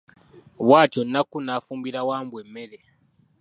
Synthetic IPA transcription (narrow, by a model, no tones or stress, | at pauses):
βwaːtonakunafumbiɾawaːmbwemeɾe